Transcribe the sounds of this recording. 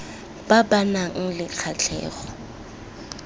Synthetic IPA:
b̥abanaŋ̩lɪq͡χʰat͡ɬʰɛ̰ːɣɔ

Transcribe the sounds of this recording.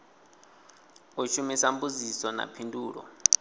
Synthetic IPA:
uʃumisambuzisɔna̰pʰinduːɺɔ̰

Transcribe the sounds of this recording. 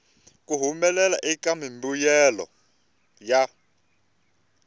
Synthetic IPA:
kuɦumɛlɛlaʔikamimbujɛlɔ̰ | ja

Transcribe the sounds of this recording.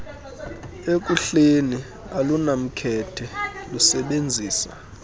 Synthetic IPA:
ek̬ʼuɬeni | alunam̩kʰɛtʰɛlusɛɓend͡zʱiːsa̰

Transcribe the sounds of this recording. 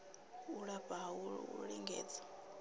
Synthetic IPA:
uɺaɸʼaɦauṵɺiŋɡɛ̰ːd͡zḁ

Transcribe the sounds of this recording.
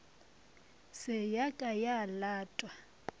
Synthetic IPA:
sɪjakʼajalaːtʼwa

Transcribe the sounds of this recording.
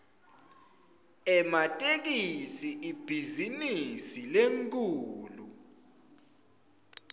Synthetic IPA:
ɛmatʼek̬isiʔib̥ʱizinisileŋkʼuːlu

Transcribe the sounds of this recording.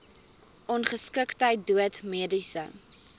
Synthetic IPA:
ʔɔnχəskəktəjt̚duətmiədisə̰

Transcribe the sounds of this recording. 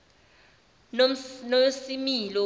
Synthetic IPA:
nosimilɔ

